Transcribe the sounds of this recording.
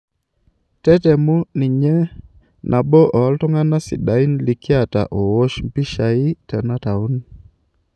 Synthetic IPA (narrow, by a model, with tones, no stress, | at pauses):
tɛ˦tɛ˨mu˦ni˨ɲɛ˦ | nʔa˨bɔ˦ʔɔ˨˦ltɔ˦ŋa˦na˦sḭ˨ɗa˨i˦nli˨ki˦a˨ta̰˨ʔo˨wo˦ʃm̩pi˦ʃa˨i˦tɛ˨na˦ta˨u˦n